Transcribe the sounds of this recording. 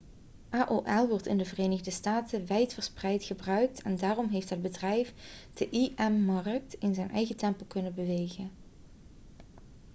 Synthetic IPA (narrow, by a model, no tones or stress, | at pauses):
ʔaːʔoːʔɛlˠʋɔɹtɪ̰ndəvərejnəɣdəstaːtəʋɛjtfəɹsprɛjtχəbrœɥk̚tʰɛndaːrɔmɦejftɦəd̚bədrɛjfd̥əʔiʔɛmːɑrk̚tɪnzɛjnʔɛ̰jɣətɛmpəlˠkɵnəbəʋejχən